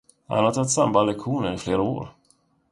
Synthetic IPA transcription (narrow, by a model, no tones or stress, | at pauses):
ha̰nhaɾt̪ʰat̪ːsambaːlɛkɧuːnəɾɪfleːɾao̰ːɾ